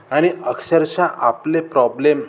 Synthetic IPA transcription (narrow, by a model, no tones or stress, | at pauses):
añiəksəɾt͡ɕaʔaplepɾɔblem